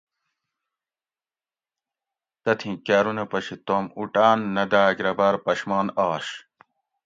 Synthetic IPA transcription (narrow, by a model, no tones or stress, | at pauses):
t̪ɐt̪ʰĩkaːɾunɐpɐɕit̪omuʈaːnːɐd̪aːɡɾɐbaːɾpɐɕmɑːnɑːɕ